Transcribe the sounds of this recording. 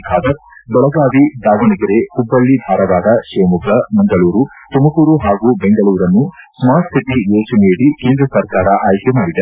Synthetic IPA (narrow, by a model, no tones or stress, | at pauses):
kʰaːd̪ɐɾ | bɔɭɐɡaːʋid̪aːʋɐɳikɐɾehubːɐɭːibʱaːɾɐʋaːd̪ɐʃeːmukɐmɐŋɡɐɭuːɾu | t̪umɐkuːɾuɦaːɡuːbeŋɡɐɭuːɾɐnːu | smaːsʰiʈijeːt͡ʃuneːɽikeːnd̪ɾɐsɐɾkaːɾɐʔaːjkemaːɽid̪e